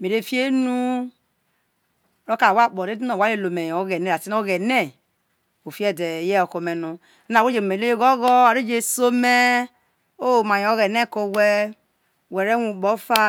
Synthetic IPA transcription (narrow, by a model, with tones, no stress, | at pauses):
me˨ɾe˦fi˦e˦nu˦˨ | ɾo˦ka˨wa˦˨k͡po˨ɾe˦di˦no˨wa˦je˦˨lo˨me˨jo˨˦ɣe˨ne˦ɾa˨ti˦no˦ɣɛ˨ne˦ | o˨fi˦ɛ˦˨de˨jɛ˦o˨ko˨me˨nu˨˦ | na˨wo˦d͡ʒe˨me˨lo˦je˦ɡɔ˦ɣɔ˦a˨ɾe˦d͡ʒe˦so˦me˦ | o˦˨ma˨jo˨˦ɣɛ˨ne˦˨ko˨wɛ˦˨ | wɛ˨ɾe˦wu˨bɔ˨˦fa˦